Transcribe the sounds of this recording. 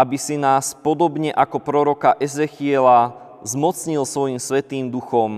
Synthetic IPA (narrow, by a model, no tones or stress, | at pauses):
abisinaːspɔd̪ɔbɲɛʔakɔpɾɔɾɔkaʔɛzɛxɪɛla | zmɔt͡sɲilsʋɔjimsʋɛt̪iːmd̪uxɔm